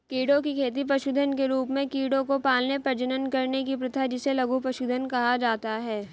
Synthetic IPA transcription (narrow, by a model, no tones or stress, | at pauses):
kiːɽõkikʰeːt̪̬ip̬ɾɐʃuːd̪ʱənkeɾuːpmẽkiːɽõkopaːlnepɐɾd͡ʒənənkɐɾnek̬ipɾɪt̪ʰad͡ʒɪselɐɡupɾɐʃuːd̪ʱənkɐɦad͡ʒaːt̪aɦɛː